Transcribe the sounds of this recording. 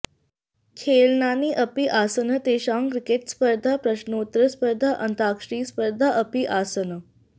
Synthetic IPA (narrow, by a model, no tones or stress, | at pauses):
kʰeːlnaːniʔəpiʔaːsənət̪eːɕaŋkɾikeʈspəɾd̪ʱapɾəɕnoːt̪ɾəspəɾd̪ʱaʔənt̪aːkʂɾiːspəɾd̪ʱaʔəpiʔasənə